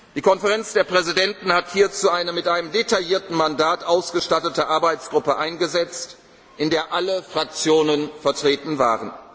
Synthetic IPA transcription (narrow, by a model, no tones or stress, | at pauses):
d̥iːkʰɔnfɛʁɛnt͡sd̥eːɐpʁ̥ɛzidɛntn̩hathiːɐt͡suʔaɪnəmɪtʔaɪnəmdetajiːɐtn̩mandaːtʔaʊsɡ̥əʃtatətəʔaɐbaɪt͡sɡ̥ʁʊpəʔaɪnɡəzɛt͡st | ʔɪndeːɐʔaləfʁ̥ak̚t͡sjoːnənfɛɐtʁ̥eːtn̩va̰ːʁən